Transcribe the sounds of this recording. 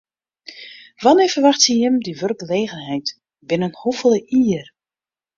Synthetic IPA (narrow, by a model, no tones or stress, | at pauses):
ʋanɪːvərʋaxtsəjəmdiʋørɡəleːɣənɦɛjt | bɪnənhufəlˠəʔiːr